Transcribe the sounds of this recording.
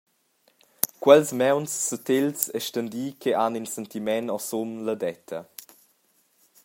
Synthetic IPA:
kwɛlsmɛwnsːut̪elsɛʃtənd̪iːkʰeaninsɛnt̪imɛnɔsomlədɛt̪ʰə

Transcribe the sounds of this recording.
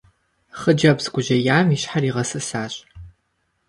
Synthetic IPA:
χəd͡ʒɐbzɡʷʊʒɐjaːmiɕħariːʁɐsɨsaːɕʼ

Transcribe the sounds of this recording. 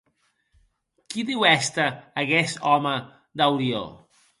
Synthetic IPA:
kiðiwɛst̪əːɣɛst̪ɔmə | d̪awɾio̰

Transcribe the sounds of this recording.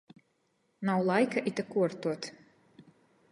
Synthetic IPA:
nawlˠajkaʔit̪akuɔɾt̪uɔt̪

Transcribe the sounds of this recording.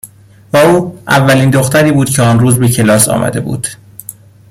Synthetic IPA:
væuːʔævːæliːnd̪oxt̪æɾiːbuːd̪̥cʰeɒːnɾuːzbecʰe̞lɒːsɒ̰ːmæ̰d̪e̞bṵːd̪̥

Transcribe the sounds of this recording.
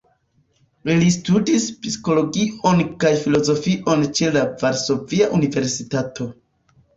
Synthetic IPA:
ilistudispisko̞lo̞ɡio̞nkajfilo̞zo̞fiʔo̞nt͡ʃe̞lavaɾso̞viaʔunive̞ɾsitatʰo̞

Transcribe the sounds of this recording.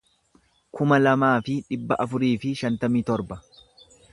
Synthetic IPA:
kʰʊmɐlɐmaːfɪᶑɪbːɐʔɐfʊɾiːfɪʃɐnt̪ɐmiːt̪ɔɾbɐ

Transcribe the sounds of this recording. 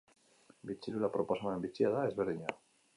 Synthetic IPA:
bit͡ʃilulapɾoposamaembit͡ʃjaðaezβeɾðiɲa

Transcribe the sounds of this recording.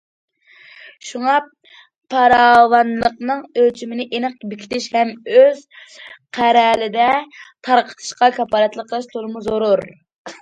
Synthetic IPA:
ʃuŋɑ | pʰːɑɾɑwɑnlˠəqnɨŋøt͡ʃʰimɪnɪʔenɨq̚bɪkʲʰi̥t̪ʰɪʃhɛmøz̥qʰæɾɛlɪd̪ɛt̪ʰɑɾqʰə̥t̪ʰɨ̥ʃqɑkʰɑpʰɑːlˠɛt̪lˠəqʰːəlˠɨʃt̪ʰolˠɨmuzoɾuɾ

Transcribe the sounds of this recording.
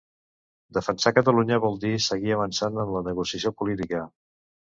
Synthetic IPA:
d̪əfənsakət̪əluɲəβɔlˠd̪isəɣiəβənsanənlənəɣusiəsiopulit̪ikə

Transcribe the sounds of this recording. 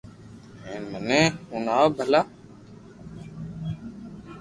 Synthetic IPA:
eːnmənẽːʊnaːwbʱəlaː

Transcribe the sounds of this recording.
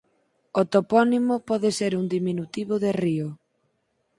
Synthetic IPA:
ot̪opɔnimopɔðeseɾuŋd̪iminut̪iβoðerio

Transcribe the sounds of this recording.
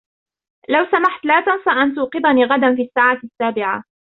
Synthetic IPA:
lawsamaħt̪laːt̪ansˤɑʔant̪ʊqɨd̪ˤaniːɣad̪anfiːʔasːaːʕasːaːbɪʕa

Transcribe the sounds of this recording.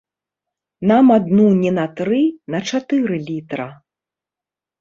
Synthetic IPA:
namad̪nunʲɛnɐt̪ɾɨnɐt͡ʂat̪ɨɾɨlʲit̪ɾɐ

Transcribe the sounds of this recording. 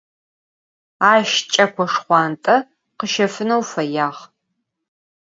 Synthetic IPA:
aːʃt͡ʃʼɐkʷɔʂχʷɑːntʼɐ | qəʃɐfɨnɐwfɐjaːʁ

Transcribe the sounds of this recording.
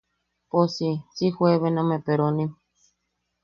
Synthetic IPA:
posisihweβenãmẽpeɾonĩ

